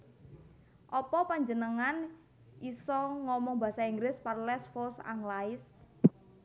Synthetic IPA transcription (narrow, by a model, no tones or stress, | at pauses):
ʔɔpɔpaɲd͡ʒənəŋan | ʔisɔŋɔmɔŋba̤saiŋɡɾɪsparlɛsfosa̰ŋlaɪs